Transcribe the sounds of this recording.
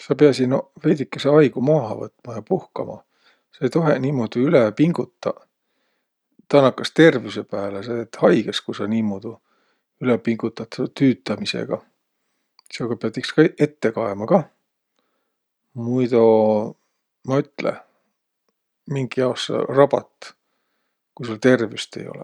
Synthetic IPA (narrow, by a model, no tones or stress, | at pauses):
sɑpeɑsinvejd̪ikːeseɑjɡ̥umɑːɦɑvɤ̰t̪ːˑmɑjɑpuhkɑ̰mɑ̰ | sɑejt̪o̞ɦe̞niːmoːd̪̥iylepiŋɡ̥ut̪ːɑ | t̪ɑnːɑkːˑɑst̪e̞rviuse̞pæːles̬eːt̪hɑjɡ̥eskusɑniːmoːd̪̥u | ylepiŋɡ̥ut̪ːˑɑt̪t̪yːt̪ːˑɑmisḛɡ̥ɑ | seoɡ̥ɑpeɑt̪ːˑikskɑʔe̞t̪ːe̞kɑemɑkɑ | mujt̪o | mɑyt̪ːˑlḛ | miŋɡ̥iɑosrɑb̥ɑ̰t̪ | kusult̪e̞rvjust̪e̞̰jo̞̰lɛ̰